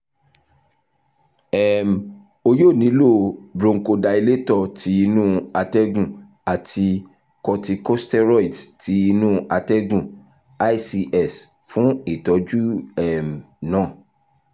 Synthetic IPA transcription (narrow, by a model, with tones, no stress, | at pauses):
ɛ˨m˨ | o˧jo˦˨nĩ˨˦lo˦˨bɾõ˧ŋ̩˨ko˧da˧i˧le˦tɔ˧ti˨˦i˧nũ˦a˧tɛ˦ɡũ˦˨ | a˨ti˧ | kɔ˧ti˧ko˦stɛ˦ɾɔ˦i˨dti˨˦i˧nũ˦a˧tɛ˦ɡũ˦˨ | a˦˨si˧ʔɛ˦˨s | fũ˨˦i˦˨tɔ˨˦d͡ʒu˦ɛ˦˨m | nãː˦˨